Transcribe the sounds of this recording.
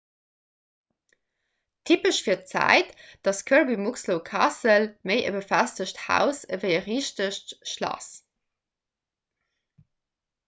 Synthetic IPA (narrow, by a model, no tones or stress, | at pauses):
tʰipəʃfiːɐt͡sæ̰ɪtd̥ɑskʰøɹbimukslokʰɑsəlməɪʔə̰bəfæstəʃtha̰ʊsəvəɪəʁiʃtəʃtʃlɑ̰s